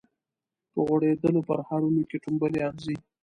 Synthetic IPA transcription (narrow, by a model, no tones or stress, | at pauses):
pəɣwaɽed̪əlopəɾhaɾunekeʈumbəleanzi